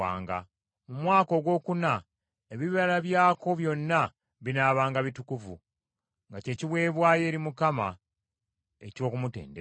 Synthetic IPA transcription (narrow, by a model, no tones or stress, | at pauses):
a̰ːŋɡa̰ | mumwaːko̞ɡwo̞ːkuna | eβiβalaβjaːko̞βjo̞nːa | βinaːβaːŋɡaβitukuvu | ŋɡace̞ːciβwe̞ːβwaːje̞ːɾimukama | e̞co̞ːkumute̞̰ːnde